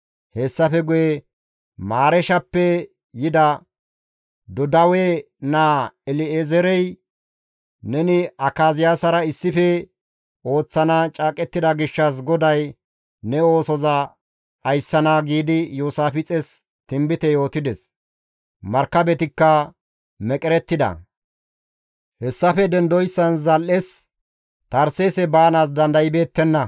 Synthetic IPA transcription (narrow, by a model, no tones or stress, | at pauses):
hesːɐfɛɡʊjɛ | maːɾɛʃɐpːɛ | jɪd̪ɐ | d̪ɔd̪ɐwɛ | naːɛlɪeːzɛɾɛj | nɛnɪʔɐkːaːzɪjaːsɐɾɐɪsːɪfɛ | o̞ːt͡sːɐnat͡ʃʼaːkʼɛt̪ːɪd̪ɐɡɪʃːɐs̬ɡɔd̪ɐj | nɛo̞ːsɔzɐː | jsːɐnaːɡiːd̪ɪjuːsaːfɪt͡sʼɛs | t̪ɪmbɪt̪ɛjo̞ːt̪ɪd̪ɛs | mɐɾkːɐbɛt̪ɪkːɐ | mɛkʼɛɾɛt̪ːɪd̪ɐ̰ | hɛsːɐfɛd̪ɛnd̪ɔjsːɐnzɐlʔːes | t̪ɐɾseːsɛbaːnaːs̬d̪ɐnd̪ɐjɪbe̞ːt̪ːɛnːɐ